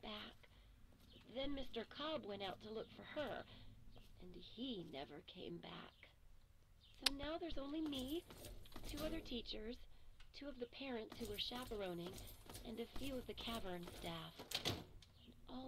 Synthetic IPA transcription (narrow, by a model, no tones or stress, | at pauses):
b̥æk̚ | ðɨ̃nmɪstə˞kʰɑbwɛ̃ɾ̃aʊtʰəlʊkfə˞ə˞ | ʔɨ̃ninɛ̰və˞kʰḛ̃ɪ̃mbæ̰k | soʊnaʊðə˞zõʊ̃nlimi | tʰʉʌðə˞tʰit͡ʃə˞z̥tʰʉʌvðɨpʰɛɹɨ̃ntshuwə˞ʃæpə˞õʊ̃nɪ̃ŋʔɨ̰̃nɨfjʉʌvðɨkʰævə̃˞nstæf | nʔɔ